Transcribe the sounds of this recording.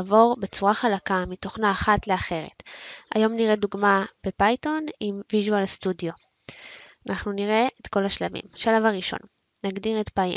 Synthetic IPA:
vo̞ʁbe̞t͡suʁaχalakamito̞χnaːχatle̞aχe̞ʁḛta̰jo̞mniʁeduɡmab̥e̞pajto̞nimviʒualstudijo̞ | anaχnuniʁe̞etko̞laʃlavḭmaʃalavaʁiʃo̞̰n | naɡdiʁetpa

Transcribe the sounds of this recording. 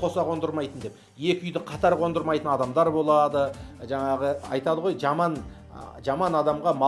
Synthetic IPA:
qʰo̞sɑqʰo̞nd̪əɾmɑjt̪ənd̪e̞p̚ | je̞kʲɪʏjd̪ɪqʰɑt̪ɑɾqʰo̞nd̪əɾmɑjt̪ənɑd̪ɑmd̪ɑɾbo̞lˠɑd̪əʒɑɴɑʁəɑ̰jt̪ɑd̪əʁo̞jʒɑmɑn | ʒɑmɑnɑd̪ɑmʁɑmɑ

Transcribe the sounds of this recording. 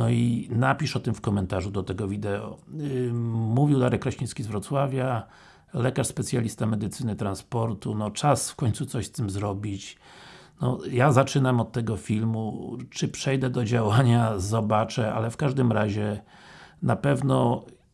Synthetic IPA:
nɔinapʲiʂɔt̪ɘmfkɔmɛnt̪aʐud̪ɔt̪ɛɡɔvʲid̪ɛɔ̰ | muvʲiwd̪aɾɛkːɾaɕĩskʲizvɾɔt̪swavʲja | lɛkaʂspɛt̪sʲjalʲist̪amɛd̪ɘt̪sɘnɘt̪ɾanspɔɾt̪unɔt͡ʂasfkɔɲt̪sut̪sɔɕst̪ɘmzɾɔbʲit͡ɕ | nɔjazat͡ʂɘnamɔt̪tːɛɡɔfʲilmṵt͡ʂɘpʂɛjd̪ɛd̪ɔd͡ʑawaɲazɔbat͡ʂɛa̰lɛfkaʐd̪ɘmɾaʑɛ | napɛvnɔ

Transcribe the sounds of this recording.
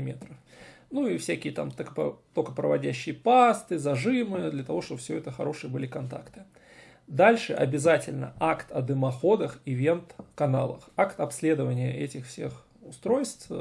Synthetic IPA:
mʲḛt̪ɾəfnuifsʲækʲɪjət̪a̰mt̪kəpt̪okəpɾəvɐdʲæɕːɪjəpast̪ɨzɐʐɨmɨd̪lʲət̪ɐvo̞ʂt̪o̞bəfsʲɵɛt̪əxɐ̰ɾo̞ʂɨjəbɨlʲɪkɐnt̪a̰kt̪ɨ̥ | d̪alʲʂɨʔɐ̰bʲɪzatʲɪlʲnə̰ʔakt̪ʰɐd̪ɨmɐxo̞d̪əxɪvʲe̞nt̪kɐna̰lˠə̰xakt̪ɐpsʲlʲe̞d̪əvənʲɪjə̰ʔɛtʲɪxfsʲe̞̰x | ʊst̪ɾo̞jst̪f

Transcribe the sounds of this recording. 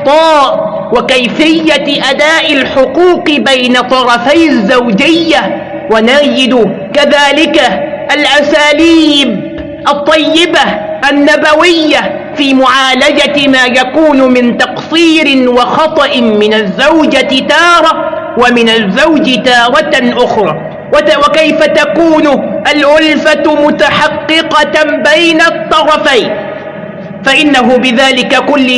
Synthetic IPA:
t̪ˤɑːʔ | wakajfɪjːaʔad̪aːʔɪlħʊquːqɪbajnat̪ˤɑɾˤɑfajazːawd͡ʒɪjːa | wanaːd͡ʒɪd̪ʊ | kaðaːlɪkaʔalʔasaːliːb | ʔɑt̪ˤːɑjːɪbaʔanːabawɪjːa | fiːmʊʕaːlad͡ʒamaːjakuːnʊmɪnt̪ɑqsˤiːɾɪwɑxɑt̪ˤɑʔɪmɪnazːawd͡ʒaɪt̪ɑːɾˤɑ | wamɪnazːawd͡ʒɪt̪ɑːɾˤɑʔʊxɾˤɑː | wkajfat̪akuːnʊʔalʕʊlfamʊt̪aħɑqːɨqɑbajnat̪ˤːɑɾˤɑfajn | faʔɪnːaɦʊbɪðaːlɪkakʊlːɪ

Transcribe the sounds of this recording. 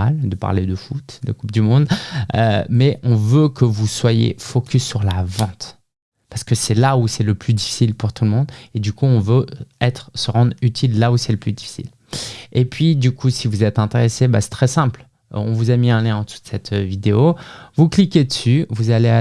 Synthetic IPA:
ald̪əpa̰ʁled̪əfut̪d̪əkup̚d̪ymɔ̃d̪ø̰mɛʔɔ̃vøkəvuswajḛfɔkʲysːyʁlavɑ̃t̪ | paʁsə̥kəsɛlausɛləplyd̪ifi̥silpuʁt̪ʰulmɔ̃d̪ed̪ykuɔ̃vøɛt̪χsəʁɑ̃d̪ʁyt̪ʰilːausɛləplyd̪ifi̥sḭl | epɥid̪ykʰusivuzɛt̪ɛ̃t̪eʁesebasɛ̥t̪χɛsɛ̃pl̰ | ɔ̃vuzamiɛ̃ljɛ̃ɑ̃t̪u̥t̪sɛt̪vid̪eovuklikʲed̪əsyvuzalea

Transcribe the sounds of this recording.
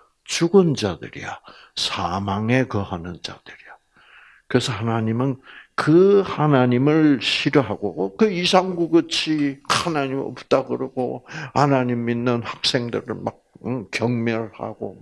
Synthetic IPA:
t͡ɕuɡɯnd͡ʑadɯ̰ɾḭja | sʰamaŋe̞kɯhanɯnd͡ʑa̰d̥ɯɾija | kɯɾesʰʌhanaɲimɯnkɯhanaɲimɯɭɕʰiɾoɦaɡokɯisʰaŋɡuɡɯt͡ɕʰianaɲimʌ̰pt͈aɡɯɾɯɡohanaɲiminːɯnhak̚s͈e̞ŋdɯɾɯ̰ɭmak̚kjʌŋmjʌɭha̰ɡo̰

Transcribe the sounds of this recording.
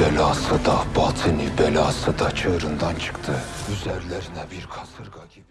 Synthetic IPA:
ɛlɑsəd̪ɑbɑt͡sʰənibɛlɑsəd̪ɑt͡ʃʰəɾənd̪ɑnt͡ʃʰə̥kt̪ʰəyzɛɾlɛɾnɛviɾkʰɑsəɾɡɑɡi

